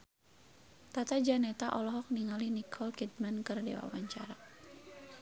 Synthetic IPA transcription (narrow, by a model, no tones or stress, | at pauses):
t̪at̪ad͡ʒanɛt̪aʔɔlɔɦɔk̚niŋalinikʰɔlkid̪̚mankɨrdḛwa̰waɲt͡ʃaɾa